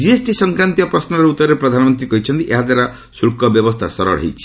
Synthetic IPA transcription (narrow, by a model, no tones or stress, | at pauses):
d͡ʒiesʈisɔŋkɾant̪ijɔpɾɔsnɔɾeut̪ːɔɾɾepɾɔd̪ʱanɔmɔnt̪ɾikɔɦit͡ʃʰɔnt̪iʔeɦad̪waɾa | suɭkɔbjɔbɔst̪ʰa̰sɔɾɔ̰ɭɦḛjt͡ʃʰi̥